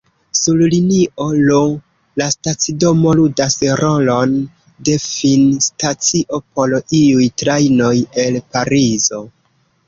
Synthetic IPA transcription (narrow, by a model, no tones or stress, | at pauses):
sulliniʔo̞lo | lastat͡sido̞mo̞ludasɾo̞lo̞n | de̞finstat͡siʔo̞po̞loiujtɾajno̞je̞lpaɾizo